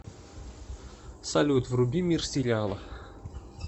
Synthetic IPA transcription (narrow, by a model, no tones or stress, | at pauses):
salʲut̪vrubʲimʲirsʲilʲɑlˠɤ